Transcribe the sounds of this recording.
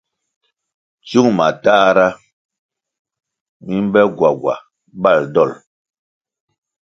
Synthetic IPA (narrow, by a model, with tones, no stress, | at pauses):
t͡ʃu˦ŋma˨taː˦ɾa˦ | mi˦m˦bɛ˦ɡwa˨ɡwa̰˨ | ba˦˨ldɔ˦˨l